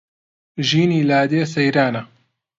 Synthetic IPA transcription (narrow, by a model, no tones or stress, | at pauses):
ʒiːniːlaːd̪eːsɐjɾaːnɐ